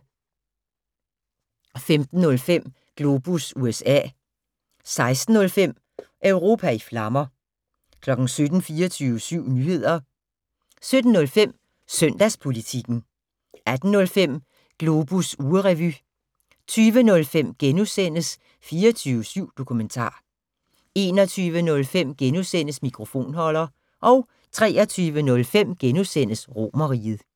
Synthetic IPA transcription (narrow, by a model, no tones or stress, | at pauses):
femd̥n̩ːɔ̽lfem̰ | ɡ̥lo̝b̥usuesɛ̰ː | sɑ̈ɪsd̥n̩ːɔ̽lfem̰ | ʔœʊʁo̝ːpʰæiflɑ̈mɐ | kʰlɒ̽ɡ̥n̩sød̥n̩fiːɐt͡sʰyːʋəsyʊ̰nyhe̝ð̞̰ˠɐ | sød̥n̩ːɔ̽lfem̰ | søn̰d̥æspʰo̝lit͡sʰiɡ̥n̩ | ʔæd̥n̩ːɔ̽lfem̰ | ɡ̥lo̝ːb̥usuːəʁɛʋy | t͡sʰyːʋənɔ̽lfem̰ɡ̥enusen̰əs | fiːɐt͡sʰyːʊəsyʊ̰d̥o̝kʰument͡sʰɑ̰̈ː | e̝ːnɒ̽t͡sʰyːʋənɔ̽lfem̰ɡ̥enusen̰əsmikʰʁo̝fo̝̰ːnhɒ̽lɐ | ʔɒ̽ʊ | t͡sʰʁɛːɐt͡sʰyːʋənɔ̽lfem̰ɡ̥enusen̰əsʁo̝̰mɐʁḭːð̩ˠ